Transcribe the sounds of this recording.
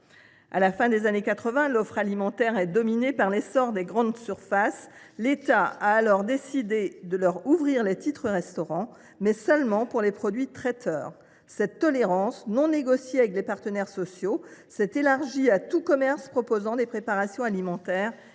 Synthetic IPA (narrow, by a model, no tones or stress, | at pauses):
a̰lafɛ̃d̪ezanekat̪χəvɛ̃lɔfχalimɑ̃t̪ɛʁɛd̪ɔminepaʁlesɔʁd̪eɡʁɑ̃d̪syʁfas | let̪aaːlɔʁd̪esid̪ed̪əlœʁuvʁiʁlet̪it̪χəʁɛst̪ɔʁɑ̃ | mɛsœlmɑ̃puʁlepχɔd̪ɥit̪χɛt̪ʰœːʁ | sɛt̪ːɔleʁɑ̃snɔ̃neɡɔsjeavɛklepaʁt̪ənɛʁsɔsjosɛt̪elaʁʒiat̪ukɔmɛʁspχɔpozɑ̃d̪epχepaʁasjɔ̃alimɑ̃t̪ɛːʁ